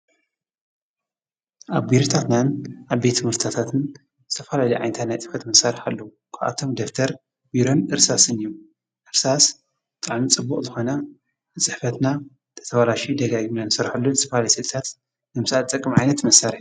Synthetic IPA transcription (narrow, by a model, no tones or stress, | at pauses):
ʔaβbiɾot̪ʰat̪nanaβbet̪ʰːɨmɨɾt̪ʰat̪ʰat̪ʰɨn | zɨ̥t̪ʰɐfɐlaliʕa̰jnt̪ʰat̪najt͡sʼɨħfɐt̪mɐsːaɾɨħalːou | kʰaʔa̰t̪ʰo̞md̪oft̪ʰɐɾ | biɾo̞nɨɾsasɨnijum | ʔɨɾsas | ɨt̪ʼaʕmit͡sʼɨbːukʼzɨxo̞nɐ | ɨt͡sʼɨħfɐt̪na | t̪ʰɐ̥t̪ʰɐwalaʃid̪ɐɡaɡimnanɨsɐɾħalːuzɨt̪ʰɐfalajisɨlt̪ʰat̪ | nɨmsaɨt͡s̪ʼɐkʼːɨmʕajnɐt̪mɐsːaɾħ